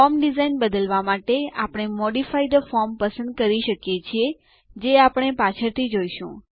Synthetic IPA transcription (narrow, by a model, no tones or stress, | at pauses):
ɔɾmɖizainbəd̪əlʋamaʈea̰pəɽ̃emɔɖifaid̪əfɔɾmpəsə̃nd̪̚kəɾiʃəkjet͡ʃʰie | d͡ʒeapəɽ̃epat͡ʃʰəɾt̪ʰid͡ʒoijʃṵ̃